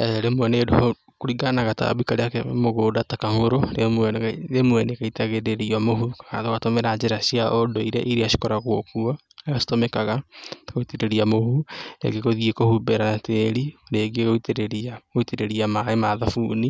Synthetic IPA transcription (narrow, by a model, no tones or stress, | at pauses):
ɛɾemwɛnedoo | koɾiɡanaɣata̰βikaɾeakemoɣoːdatakaŋoɾoɾemwɛnɣaɾemwɛnekaitaɣeɾeɾiamoɦukakaðokatomeɾad͡ʒeɾasiaʔodoiɾḛʔiɾeaʃi̥kɔɾaɣwokuɔ | easi̥tomɛkaɣakoiteɾeɾiamohunḛɡeɣoðiekohubeɾanateɾineɡeɣoiteɾeɾiaɣoiteɾeɾiamaemaðafuːni